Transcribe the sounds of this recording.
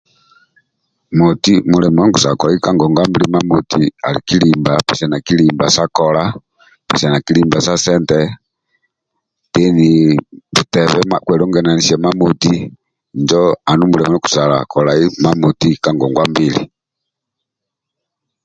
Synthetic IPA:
mu˨ti˦mu˨lɛ˨mɔ˨ɔ˦ŋɡu˨sa˨kɔ˨la˨i˦ka˦ŋɡɔ˨ŋɡwa˦mbili˦ma˦muti˨a̰˨lḭ˨ki˦limbapɛ˨sɛ˨na˨ki˦limba˨sa˦kɔla˦ | pɛ˨sɛ˨na˨ki˦li˦mba˨sa˦sɛ˦ntɛ | tɛ˦ni˨tu˨tɛ˨βɛ˦makwɛ˨lɔ˦ŋɡɛ˨na˨ni˨sɛ˨ma˦mu˨ti | nd͡ʒɔa˨nu˦mu˨lɛ˨mɔ˦ɔ˦ku̥˨sa˨la̰˨kɔ˨la˨i˦ma˦mu˨ti˦ka˨ŋɡɔ˨ŋɡwa˦mbilḭ

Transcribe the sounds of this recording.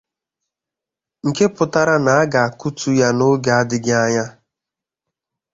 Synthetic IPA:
ŋ̩˨ke˦pʊ˨ta˦ɾa˦na˨a˦ɡa˨a˨ku˦tu˦ja˦nʊ˦ɡa˨a˦dɪ˦ɡɪ˦a˦ɲa˦

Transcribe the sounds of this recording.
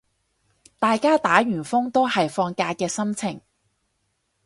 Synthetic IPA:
t̪aː˨jkaː˥t̪aː˨˥ɥyː˨˩nfʊ˥ŋt̪o˥whɐ˨jfɔː˧ŋkaː˧jkɛː˧sɐ˥mt͡sʰɪ˨˩ŋ

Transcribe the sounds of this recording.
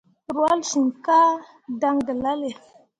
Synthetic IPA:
ɾu˨a˦lsi˨nka˦ | da˦ŋdə˨la˦le˨

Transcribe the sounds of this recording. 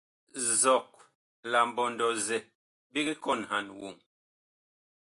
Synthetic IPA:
zɔ˨k̚ | la˨m˨bɔ˨ndɔ˨zɛ˨ | bi˦ɡi˦kɔ˦˨nɦa˨nwṵ˨ŋ

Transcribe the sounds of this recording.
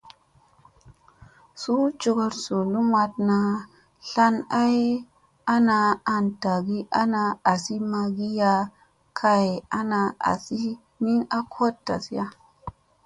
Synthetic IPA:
su˦t͡ʃu˧ɡo˧ɾsu˨lu˦ma˧tna˨ | ɬa˦na˦j | a˦na˧a˨nta˨ɡi˦ʔa˦na˧a˨si˦ma˧ɡi˦ja˧ | kʰa˨ja˦na˧a̰˨si˦ | ni˦na˦kʰo˦tta˨si˦ja˦

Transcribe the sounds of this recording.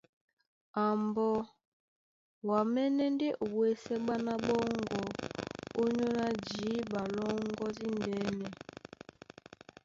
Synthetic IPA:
a˨mbɔ˦ | wa˨mɛ˦nɛ˦nde˦ʔo˨wwe˦sɛ˦ɓa˦na˦ɓɔ˦ŋɡɔ˨o˦ɲo˦na˦d͡ʒiː˨˦ba˨lɔ˦ŋɡɔ˦zi˦ndɛ˨˦nɛ˨

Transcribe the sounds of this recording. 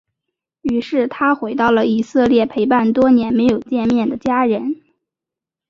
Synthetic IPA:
y˧˥ʂɻ̩˥˩t̪ʰa˥xwe˧˥ɪt̪ɑ˥˩ʊlə˩i˨˩sɤ˥˧ljɛ˥˩pʰe˧˥ɪp̬a˥˩nt̪wɔ˥njɛ˧˥nme˧˥ɪjo˨˩ʊt͡ɕjɛ˥˧nmjɛ˥˩nd̪ə˩t͡ɕja˥ɻə˧˥n

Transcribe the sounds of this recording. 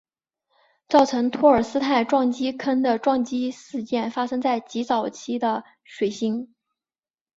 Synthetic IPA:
t͡sɑ˥˩ʊʈ͡ʂʰɤ˧˥ŋt̪ʰwɔ˥˩ə˞˨˩sɹ̩˥t̪ʰa˥˧ɪʈ͡ʂwɑ˥˩ŋt͡ɕi˥kʰə˥nd̪ə˨ʈ͡ʂwɑ˥˧ŋt͡ɕi˥ʂɹ̩˥˧t͡ɕjɛ˥˩nfa˥ʂɤ˥ŋt͡sa˥˩ɪt͡ɕi˧˥t͡sɑ˨˩ʊt͡ɕʰi˥d̪ə˧ | ʂwe˨˩ɪɕi˥ŋ

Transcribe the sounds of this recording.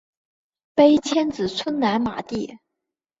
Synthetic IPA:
pe˥ɪt͡ɕʰjɛ˥nt͡sɹ̩˨˩t͡sʰwə˥nna˧˥nma̰˨˩t̪i˥˩

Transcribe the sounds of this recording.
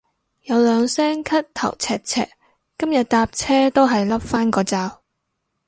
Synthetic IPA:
jɐ˨˧wlœː˨˧ŋsɛː˥ŋkʰɐ˥t̚t̪ʰɐ̰˨˩wt͡sʰɛː˨k̚t͡sʰɛ̰ː˨kː | ɐ˥mjɐ˨t̚t̪aː˧p̚t͡sʰɛː˥t̪o˥wɦɐ˨jlɐ˥p̚faː˥nkɔː˨˧t͡saː˧w

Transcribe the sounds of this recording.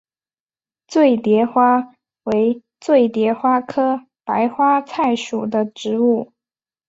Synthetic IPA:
t͡swe˥˩ɪt̪jɛ˧˥xwa˥ | we˧˥ɪ | t͡swe˥˩ɪt̪jɛ˧˥xwa˥kʰɤ˥ | pa˧˥ɪxwa˥t͡sʰa˥˩ɪʂu˨˩d̪ə˦ʈ͡ʂɻ̩˧˥u˥˩

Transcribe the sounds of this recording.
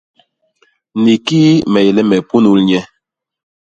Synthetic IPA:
ni˨kiː˦mɛ˨jɛ˨lɛ˦mɛ˨pu˦nu˦lɲɛ˦

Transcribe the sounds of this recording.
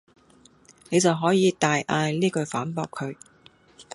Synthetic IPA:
ne˨˧jt͡sɐ˨wɦɔː˨˥jiː˨˧t̪aː˨jʔaː˧jliː˥kɵ˧ɥfaː˨˥npɔː˧kʰɵ˨˧ɥ

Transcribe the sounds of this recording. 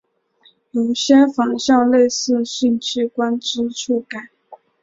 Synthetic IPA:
jo˨˩ʊɕjɛ˥fɑ˨˩ŋɕjɑ˥˧ʊle˥˧ɪsɹ̩˥˧ɕi˥˧ŋt͡ɕʰy˥˩kwa˥nʈ͡ʂɻ̩˥ʈ͡ʂʰu˥˩ka˨˩˦n

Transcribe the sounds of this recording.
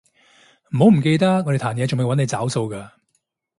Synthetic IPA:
m̩˨˩ho˨˥wm̩˨˩ke˧jt̪ɐ˥ŋɔː˧ɾe˨t̪ʰaː˨˩njɛː˨˧t͡sʊ˨ŋm˨˩jwɐ˨˥ne˧jt͡saː˨˥wso˧wkaː˧

